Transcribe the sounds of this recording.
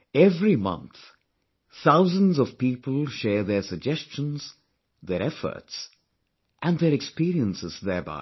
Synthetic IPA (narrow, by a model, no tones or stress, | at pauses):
ɛvɾimʌ̰̃nθ | θaʊzə̃nzɔv̥piːpəlˠʃɛːɹðɛɹsəɡ̚d͡ʒɛst͡ʃə̃nz̥ | ðɛɾɛfə̰˞ts | ʔæ̃nðɛɾɛkspiɾiə̃nsɪzðɛɹba̰ɪ